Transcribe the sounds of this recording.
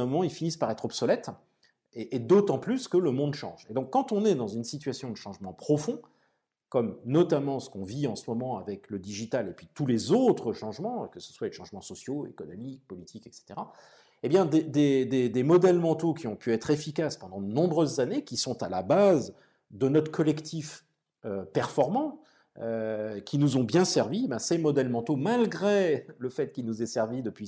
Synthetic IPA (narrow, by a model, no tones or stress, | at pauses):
ɛ̃mɔmɑ̃ilfinispaʁɛt̪χɔbsɔlɛt̪ | eʔːd̪ot̪ɑ̃plyskələmɔ̃d̪ʃɑ̰̃ʒed̪ɔ̃kːɑ̃t̪ɔ̃nɛd̪ɑ̃zynsit̪ɥasjɔ̃d̪əʃɑ̃ʒmɑ̃pχɔfɔ̃ | kɔmnɔt̪amɑ̃sə̥kɔ̃viɑ̃səmɔmɑ̃avɛkləd̪iʒit̪alepɥit̪ulezot̪χəʃɑ̃ʒmɑ̃kəsə̥swaleʃɑ̃ʒmɑ̃sɔsjoḛkɔnɔmik̚pɔlit̪ʰikɛkse̥t̪eʁa | ebjɛ̃d̪ed̪ed̪ed̪emɔd̪ɛlmɑ̃t̪okʲiɔ̃pyɛt̪χefikaspɑ̃d̪ɑ̃d̪ənɔ̃bʁøzːanekʲisɔ̃t̪alabaz | d̪ənɔt̪χə̥kʰɔlɛkt̪ʰif | øpɛʁfɔʁmɑ̃ | økʲinuzɔ̃bjɛ̃sɛʁvibasemɔd̪ɛlmɑ̃t̪omalɡʁeləfɛt̪̚kʲilnuzɛsɛʁvid̪əpɥi